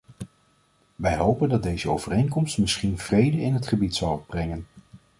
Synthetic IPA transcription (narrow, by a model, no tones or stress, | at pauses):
ʋɛjɦowpəndɑt̚dejzəo̰wv̥ərejŋkɔmstmɪsχinv̥rejdəɪnɦətχəbitsɑlˠɔbrɛŋən